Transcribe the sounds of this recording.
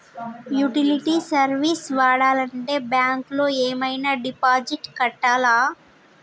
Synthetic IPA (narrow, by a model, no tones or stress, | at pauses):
juʈiliʈisɐɾʋisʋaːɽaːlɐɳʈe̞ːbjaːŋklo̞ːeːmɐjnaːɖipaːd͡ʒiʈkɐʈːaːlaː